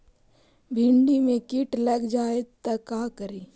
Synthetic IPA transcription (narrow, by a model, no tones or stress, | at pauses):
bʱɪɳɖimẽkɪʈlɐɡd͡ʒaːet̪ɐkaːkəɾiː